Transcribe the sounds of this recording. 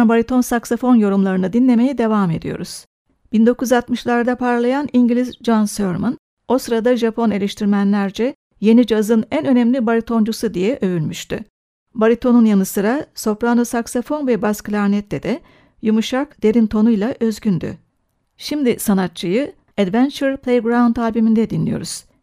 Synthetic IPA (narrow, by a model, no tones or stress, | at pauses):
nbaɾit̪ʰo̞nsaksofo̞njo̞ɾumlˠaɾɯnɯd̪inlʲe̞me̞jɛd̪e̞vame̞̰d̪ijo̞̰ɾuz̥ | b̥ind̪o̞kujzat̪mɯʃlˠaɾd̪apʰaɾlˠajaniɲɟilʲizd͡ʒansøɾman | o̞sɯɾad̪aʒapʰo̞ne̞lʲeʃt̪ʰiɾmænlʲæɾd͡ʒɛ | je̞nid͡ʒazɯnænø̞nɛmlʲibaɾit̪ʰo̞nd͡ʒusud̪ijɛʔø̞vylʲmyʃt̪y̰ | baɾit̪ʰo̞nunjanɯsɯɾaso̞pɾanɯsaksofo̞nvɛbasklʲaɾnɛt̪lɛd̪ɛ | jumuʃakd̪̥e̞ɾint̪ʰo̞nujlˠaʔø̞zɟynd̪y̰ | ʃimd̪isanat̪̚t͡ʃʰɯjɯ | ɛd̪vænt͡ʃɛɾpʰlʲˠejɡɾant̪ʰaːbimind̪ɛd̪inlʲijo̞̰ɾuz̥